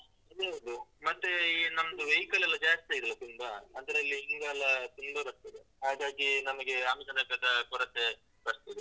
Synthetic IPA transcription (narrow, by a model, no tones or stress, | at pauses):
ɐd̪eɐʋd̪umɐt̪ːenɐmɐd̪uʋɐjkɐlɛlːɐd͡ʒaːst̪iɐid̪ɐlːɐt̪unbaɐnd̪ɐɾeɐlːiiŋɡalːɐt̪und̪uɾɐs̚t̪id̪eɦaːɡaːɡinɐmɐɡe̞ɐmid͡ʒɐnɐkɐd̪ɐkɔɾɐt̪ːe | bɐɾst̪id̪e